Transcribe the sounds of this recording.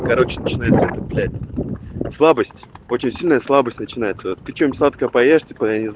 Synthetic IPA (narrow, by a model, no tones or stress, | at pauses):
kɐɾo̞t͡ɕɪnət͡ɕɪnajɪt̪səɛt̪əplʲætʲ | slˠabəsʲtʲo̞t͡ɕɪnʲsʲilʲnəjəslˠabəsʲtʲnət͡ɕɪnajɪt̪səvot̪k̪ʲɨt͡ɕomʲtʲslˠat̪kəəpɐjeʂtʲɪpəjanʲɪz